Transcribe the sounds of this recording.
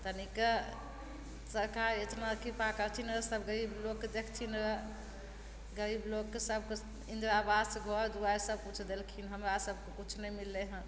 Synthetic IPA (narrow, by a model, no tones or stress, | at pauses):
t̪ənike | səɾkaɾet̪nakʰipakəɾt̪ʰinɾəsəbɡəɾiblokːed̪ekʰt̪ʰinɾə | ɡəɾiblokːesəb̚ʱke | ĩnd̪ɾabad̪seɡʱɔɾd̪uaesəb̚kut͡ʃʰd̪elkʰinɦəmɾasəb̚ʱkekut͡ʃʰnɛmilːeɦə̃